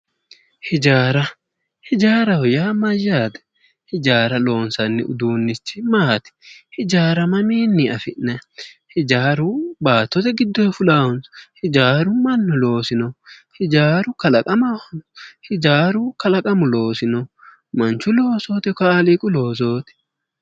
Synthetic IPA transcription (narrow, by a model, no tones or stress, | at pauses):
hɪd͡ʒaːɾɐ | hɪd͡ʒaːɾɐhɔjaːmɐjaːd̪ɛ̥ | hɪd͡ʒaːɾɐlo̞ːnsɐnːɪ̰ʊ̰d̪uːnːɪt͡ʃːɪmaːt̪ɛ̥hɪd͡ʒaːɾɐmɐmiːnːɪɐfɪʔnɐhɪd͡ʒaːɾʊbaːt̪ːɔt̪ɛɡɪd̪ːɔjfʊlaːwʊnshɪd͡ʒaːɾʊmɐnːʊlo̞ːsɪnɔhɪd͡ʒaːɾʊkɐlɐkʼɐmɐhɐnɔhɪd͡ʒaːɾʊkɐlɐkʼɐmʊlo̞ːsɪnɔ | mɐnt͡ʃːʊlo̞ːso̞ːt̪ɛkaːlɪkʼʊlo̞ːs̬oːt̪ɛ̥